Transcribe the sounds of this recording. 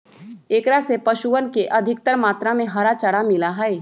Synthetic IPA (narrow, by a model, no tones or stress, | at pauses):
eːkɾasepɐʃuənkeʔɐd̪ʱɪk̚t̪əɾmaːt̪ɾamẽɦɐɾat͡ʃɐɽamɪlaɦɛ